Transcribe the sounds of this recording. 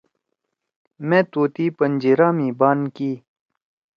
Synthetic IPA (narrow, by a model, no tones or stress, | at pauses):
mẽːt̪oːt̪iːpənd͡ʑiɾaːmĩːbaːnkiː